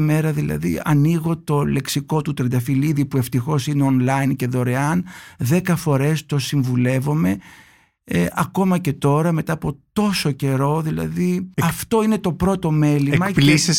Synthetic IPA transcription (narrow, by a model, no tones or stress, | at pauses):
me̞ɾɐðilɐ̰ðḭɐ̰niɣo̞t̪o̞le̞ksiko̞t̪ut̪ɾɐd̪ɐfiliðipue̞ft̪ixo̞sineonlɐjnceðo̞ɾe̞ɐnðe̞kɐfo̞ɾe̞st̪o̞siɱvule̞vo̞me̞ | ʔɐko̞mɐce̞t̪o̞ɾɐme̞t̪ɐːpo̞t̪o̞so̞ce̞ɾo̞ðilɐ̰ðiɐft̪o̞ine̞t̪o̞pɾo̞t̪o̞me̞limɐplises